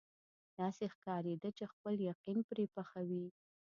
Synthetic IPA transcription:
d̪̥ɑsexkɑɾed̪ət͡ʃexpəljaqinpɾepaxawi

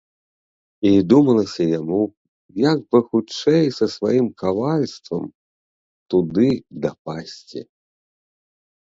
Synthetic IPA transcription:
id̪umɐlˠɐsʲɐjamu | jaɡ̚bɨxut͡ʂɛjsɐsvajimkavalʲst̪vɐ̰m | t̪ud̪ɨd̪ɐpasʲt͡sʲḭ

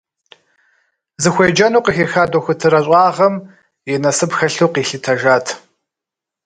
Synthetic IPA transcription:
zɨxʷeːd͡ʒɐnuːqixeːxaːdoxʷʊtʰɨɾɐɕʼɑːʁɐm | jɛnɐsɨpxɐɬuːqiːɬɨtʰɐʒaːtʰ

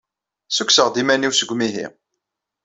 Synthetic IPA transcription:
sukʷsəʁd̪imæniwsəɡʷmiɦḭ

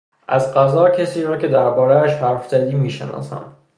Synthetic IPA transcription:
ʔæzɢæzɒːcʰesiːɾɒːce̞d̪æɾbɒːɾeæʃhæɾfzæd̪iːmiːʃenɒ̰ːsæ̰m

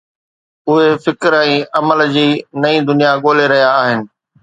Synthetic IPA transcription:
ʊɦefɪkɾɛ̃ːɐməld͡ʑiːnɐĩd̪ʊnijaɠoːleɾɐɦijaːɦɪnɪ̆

